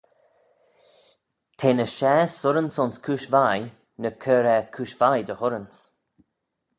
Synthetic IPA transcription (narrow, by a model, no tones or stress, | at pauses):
t̪ʰeːnəʃɛːsʊɾənsʊnskʰuːʃvaj | nəkʰəɾɛkʰuːʃvajd̪əhʊɾəns